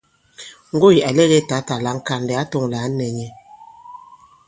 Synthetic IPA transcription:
ŋ̩˦ɡo˦i˨a˨le˦ɣe˦ta˨˦ta˨la˨˦ŋ̩˦ka˨n˨dɛ˨a˦tɔ˦˨ŋ˨la˨˦nɛ˨ɲɛ˨

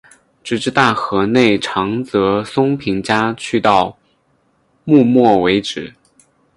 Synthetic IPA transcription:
ʈ͡ʂɻ̩˨˩ʈ͡ʂɻ̩˥˧t̪a˥˩xɤ˧˥ne˥˩ɪʈ͡ʂʰɑ˧˥ŋt͡sɤ˧˥sʊ˥ŋpʰi˧˥ŋt͡ɕja˥t͡ɕʰy˥˧t̪ɑ˥˧ʊ | mu˥˧mwɔ˥˩we˧˥ɪʈ͡ʂɻ̩˨˩˦

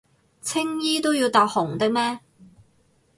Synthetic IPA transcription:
t͡sʰɪ˥ŋjiː˥t̪o˥wjiː˧wt̪aː˨˧k̚hʊ˨˩ŋt̪ɪ˥k̚mɛː˥

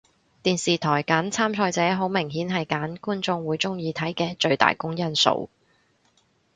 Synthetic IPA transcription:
t̪iː˨nsiː˨t̪ʰɔː˨˩jkaː˨˥nt͡sʰaː˥mt͡sʰɔː˧jt͡sɛː˨˥ɦo˨˥wmɪ˨˩ŋɦiː˨˥nɦɐ˨jkaː˨˥nkuː˥nt͡sʊ˧ŋwuː˨˥jt͡sʊ˥ŋjiː˨˧t̪ʰɐ˨˥jkɛː˧t͡ʃɵ˧ɥt̪a̰ː˨˩jkʊ˥ŋjɐ˥nso̰˧w

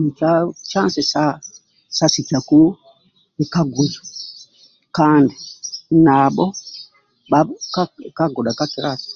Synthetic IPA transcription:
ni˨t͡ʃa˦t͡ʃa˦nsɛ˨sa˦ | sa˦si˨t͡ʃa˨ku˦ | i˨ka˦ɡu˨zḁ˨ | ka˦ndi˨na˨ɓɔ˦ | ɓaka˦ka˦ɡɔ˨ɗa˨ka˦ki˨ɾa˨t

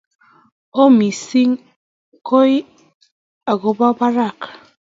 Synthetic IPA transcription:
o˦mi˨si˦ŋ | ko˦j | a˨ɡo˨˦ba˦ba˦ɾa˦˨k

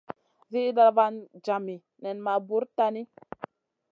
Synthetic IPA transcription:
vi˦da˧va˦nd͡ʒa˨mi˨ | nɛ˨nma˨bu˨˦ɾta˦ni˦

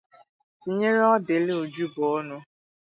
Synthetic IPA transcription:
ti˨ɲe˦ɾe˦ɔ˦de˨˦le˦o˨d͡ʒu˦bʊ˨ɔ˦nʊ˦

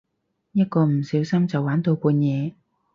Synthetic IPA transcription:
jɐ˥t̚kɔː˧m̩˨˩siː˨˥wsɐ˥mt͡sɐ˨wːaː˨˥nt̪o˧wkuː˧njɛː˨˧

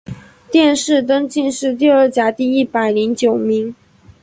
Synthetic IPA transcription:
t̪jɛ˥˧nʂɻ̩˥˩t̪̬ɤ˥ŋt͡ɕi˥˧nʂɻ̩˥˧t̪̬i˥˧ə˞˥˩t͡ɕja˧˥t̪i˥˧i˥˩pa˨˩ɪli˧˥ŋt͡ɕjo˨˩ʊmi˧˥ŋ

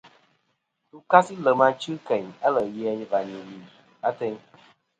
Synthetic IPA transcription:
tu˧ka˦si˦lə˨mã˧t͡ʃɨ˦kɛ˨ɲ˨ə˦lə˨ji˦ɛ˨ɲĩ˨va˨ɲĩ˨li˨ | a˦t̪ɛ˧ɲ˦

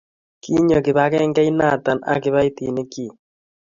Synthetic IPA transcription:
ki˦ɲo˨kɪ˨βa˨kɛ˦ŋɡɛ˦i˦na˦˨t̪a˨na̰˦kɪ˦βa˦i˦t̪ḭ˨ne˦ki˦˨

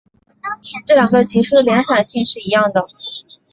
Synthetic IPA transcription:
ʈ͡ʂɤ˥˩ljɑ˨˩ŋɡə˧t͡ɕʰi˧˥ʂu˥˩d̪ə˨ljɛ˧˥nxa˨˩nɕi˥˧ŋʂɻ̩˥˩i˧˥jɑ˥˩ŋd̪ə˩

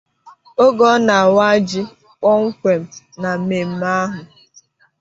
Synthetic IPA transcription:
o˦ɡɔ˦na˨a˨wa˦d͡ʒi˦ | k͡pɔ˦ŋ̩˦kʷe˨m̩˦ | na˨me˨m̩˦ma˦ɦʊ˨

